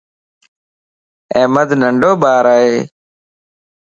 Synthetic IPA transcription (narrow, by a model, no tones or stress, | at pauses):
ẽːməd̪ʱnəɳɖoːɓaːɾaːɦeː